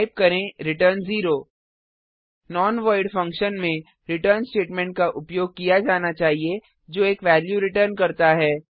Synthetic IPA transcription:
aɪp̚kɐɾẽɾɪʈəɾnziːɾoː | nɔːnʋaːɪɖfɐ̃ŋkʃənmẽ | ɾɪʈəɾnsʈeːʈmɛ̃ːɳʈ̚kaʔʊpjoːɡ̚kijad͡ʒaːnat͡ʃaːɦie | d͡ʒoːeːkʋɛːljuɾɪʈəɾnkɐɾt̪aɦɛː

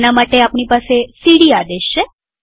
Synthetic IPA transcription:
namaʈeapɳipasesiɽiad̪eʃːe

